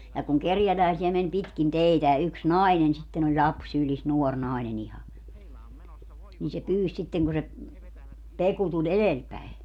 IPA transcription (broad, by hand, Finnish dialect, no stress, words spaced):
jɑ kuŋ kerjælæisiæ men pitkin teitæ jɑ yks nɑinen sitːen olʲ lʲɑps sylis nuor nɑinen ihɑ niː se pyːs sitːeŋ ku se peku tulʲ elelpæi